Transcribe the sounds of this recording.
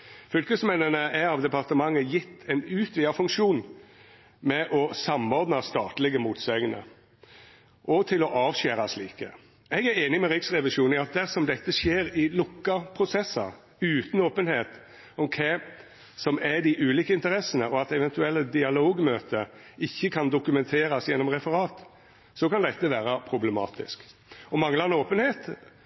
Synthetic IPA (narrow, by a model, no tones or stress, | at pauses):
fʏlkəsmɛnənəʔæɾɑʋd̪ɛpɑʁt̪əmɑŋːəjɪt̪ʰːɛɪnʉːt̪ʰʋiːɑfʉŋkʃuːn | mɛʔɔsɑmɔɾd̪nɑst̪ɑːt̪lɪɡəmuːt̪sɛɡənə̰ | ʔɔt̪ʰɪlɔʔɑːʋɕæːɾɑsliːkə̰ | ɛɡæɾeːnɪmɛɾɪksʁɛʋɪʂuːn̩ɑt̪̚d̪æʁsɔmd̪ɛt̪ːəʂjeːɾɪlʊkːɑpʰʁʊsɛsːəɾ | ʉːt̪n̩oːpənheːt̪ | ɔmkʰɛ | sɔmæɾd̪ɪʔʉːliːkəɪnt̪əɾɛsənəɔɑt̪ɛʋɛnt̪ʉɛlːəd̪ɪɑloːɡmøːt̪əɪçːəkʰɑnd̪ʊkʉmɛnt̪ʰeːɾɑsjɛnːɔmʁɛfəɾɑːt̪ | sɔkɑnd̪ɛt̪ːəʋæːɾɑpʰɾʊbləmɑ̰ːt̪ɪ̰skɔmɑŋːlɑɛnoːpənheːt̪